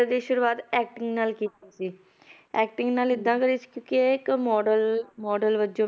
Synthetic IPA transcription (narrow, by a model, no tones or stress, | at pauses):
d̪iːʃʊɾuːaːt̪ɛːk̚ʈɪŋɡnaːlkiːt̪isiː | ɛːk̚ʈɪ̃ŋɡnaːlɪd̪ːãːkəɾiːsi̥kjõːkikmɔːɖəlmɔːɖəlʋəd͡ʒõː